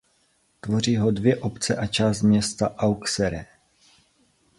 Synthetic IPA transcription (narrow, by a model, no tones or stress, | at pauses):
t̪vo̞riːɦo̞dvjɛʔo̞pt͡sɛʔat͡ʃaːst̪mɲɛst̪aʔawksɛɾɛ